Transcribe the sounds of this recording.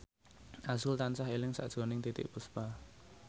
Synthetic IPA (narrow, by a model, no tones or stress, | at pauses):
ʔasʊlt̪ansaɦelɪŋsa̰ʔd̥ʒ̥ɔ̤nɪŋt̪it̪ɪ̰ʔpuspa